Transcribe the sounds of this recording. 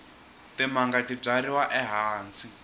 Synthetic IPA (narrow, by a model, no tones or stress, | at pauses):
tɛmaŋɡatib͡ʐaɾiwaʔɛɦaːnt͡sʰi